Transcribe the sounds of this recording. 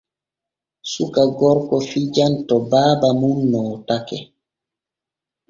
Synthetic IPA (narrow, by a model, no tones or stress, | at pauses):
sukaɡɔɾkɔfid͡ʒantɔbaːbamunːɔːtakɛ